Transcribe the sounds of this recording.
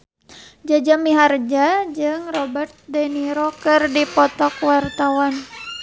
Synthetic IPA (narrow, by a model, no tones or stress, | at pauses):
d͡ʒad͡ʒamiɦard͡ʒad͡ʒɨŋrɔbɛrt̪̚dɛniɾokɨrdipɔt̪ɔkwart̪awan